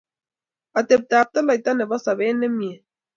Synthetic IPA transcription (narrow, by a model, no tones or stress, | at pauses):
at̪ep̚t̪ap̚t̪alajt̪aneβasaβenemje